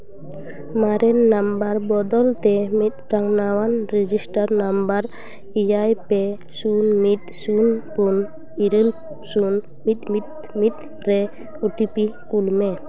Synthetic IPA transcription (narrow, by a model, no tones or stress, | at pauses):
maɾɛnːambaɾbɔd̪ɔlt̪ɛmit̪̚ɾaŋnawanɾɛd͡ʒisʈaɾnambaɾ | id͡ʒajpɛ | sunmit̪̚sunpun | iɾil | sun | mit̪mit̪̚ | mit̪̚ | ɾɛ | uʈipikulmɛ